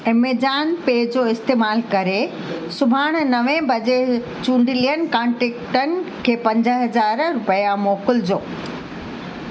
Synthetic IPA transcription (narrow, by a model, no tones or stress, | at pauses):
ɪmed͡ʑaːnpeːd͡ʑoːɪst̪eːmaːlkɐɾe | sʊbʱaːɽ̃̆nɐʋẽbɐd͡ʑe | t͡ɕũːɳɖʱɪliənkãːɳʈeːkʈənɪ̆kʰeːpɐ̃ɲd͡ʑəɦɐzaːɾɾʊpjamoːkʊld͡ʑoː